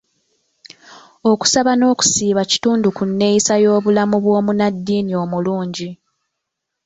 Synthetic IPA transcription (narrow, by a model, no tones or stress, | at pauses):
o̞ku̥saβano̞ːku̥siːβaci̥tuːndukunːe̞isajo̞ːβulamuβwo̞ːmunadːiːnio̞ːmuluːɲɟi